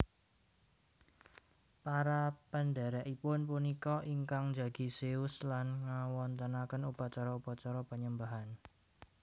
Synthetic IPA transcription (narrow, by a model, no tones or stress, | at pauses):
paɾapənɖaɾaʔipʊnpunikɔʔiŋkaŋd͡ʒa̤ɡ̥i̤seʊslanŋawɔnt̪ənakənupat͡ʃaɾɔupat͡ʃɔɾɔpəɲəmbaɦan